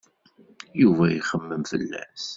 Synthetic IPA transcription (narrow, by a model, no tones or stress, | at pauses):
juvæjχəmːəmfə̰lːæ̰s